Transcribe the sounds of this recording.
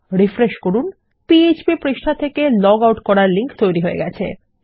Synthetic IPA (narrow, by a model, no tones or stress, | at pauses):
ɾifɾeʃkoɾun | piet͡ɕbipɾiʃʈʰat̪ʰekelɔɡawʈkɔɾaɾliŋkt̪ojɾiɦoeɡɛt͡ɕʰḛ